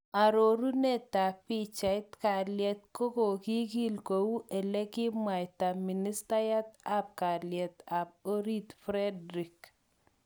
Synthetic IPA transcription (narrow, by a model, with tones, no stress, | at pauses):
a˨ɾo˨ɾu˦ne˦˨ta˨pɪ˦t͡ʃa˨ɪ˦tka˨ljɛ˨t̪̚ko˦ko˨ki˦ki˦lko˨u˦ʔe˨lɛ˦kɪ˦mwa˨jta˨mi˨ni˦sta˦ja˦t̪a˦p̚ka˨ljɛ˨t̪a˨p̚o˦ɾi˦t̪fɾɛ˦dɾi˨k